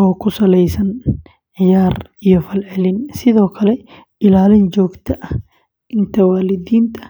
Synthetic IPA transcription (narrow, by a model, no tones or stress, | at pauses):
ɔːkʰʊsɐlɛjsɐn | ʕɪjaːrijɔfɐlʕɪlɪnsɪðɔːkʰɐlɛ | ɪlaːlɪnd͡ʒɔːɡt̪ʰɐʔɐh | ʔɪnt̪ʰɐwaːlɪd̪iːnt̪ʰɐ̥